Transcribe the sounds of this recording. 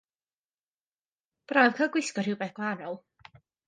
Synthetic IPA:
b̥rajvkʰəɡwɪskɔr̥hɪwbɛθɡ̥lˠanɔlˠ

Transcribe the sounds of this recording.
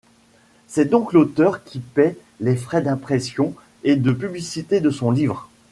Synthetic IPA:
sɛd̪ɔ̃klot̪œʁkʲʰipɛ | lefχɛd̪ɛ̃pχɛsjɔ̃ | ed̪əpyblisit̪ed̪əsɔ̃livʁ

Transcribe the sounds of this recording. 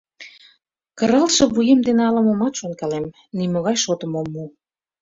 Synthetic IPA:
kəɾɑlʃɤ̆βujemd̪eneɑlə̆momɑt̪ʃonkɑlem | nimoɣɑjʃot̪ə̆momːu

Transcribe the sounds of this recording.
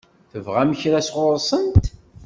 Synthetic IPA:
θəvʁæməçɾæsʁʊɾˤsˤənt̪

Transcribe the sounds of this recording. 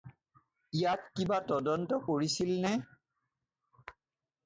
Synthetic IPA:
ijatkibatɔdɔntɔkoɹisilnɛ

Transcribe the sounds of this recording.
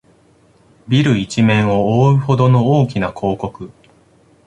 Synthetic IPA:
bʲiɾɯ̟it͡ɕimẽ̞ɰ̃o̞oːɯ̟ho̞d̪o̞no̞oːkʲinakʰo̞ːko̞kɯ̟

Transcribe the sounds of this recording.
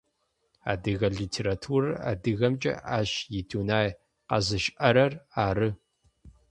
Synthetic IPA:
a̰ːdɨɣɐɮiːtʰeːɾatʰuːrɐa̰ːdɨɣɐmt͡ʃʼɐ̰aːɕjɪtʰuːnaːj | qɐ̰zɨʃʔɐɾɐraːɾɨ

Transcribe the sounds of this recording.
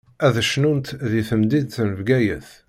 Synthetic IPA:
æðəʃnunt̪ðiθəmd̪id̪θnəvɡæjə̰θ

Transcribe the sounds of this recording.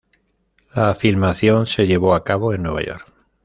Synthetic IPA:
laːfilmaθjo̞nse̞ʎe̞β̞o̞akaβo̞e̞nːwe̞β̞a̰jo̞̰ɾk

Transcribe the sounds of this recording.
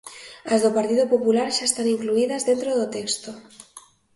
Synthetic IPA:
azðopaɾt̪iðopopulaɾʃaest̪aniŋkluiðɐzðent̪ɾoðot̪ekst̪o

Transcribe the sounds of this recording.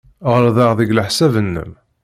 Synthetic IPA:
ʁəɾðˤɑʁðiɡləħsævənːə̰m

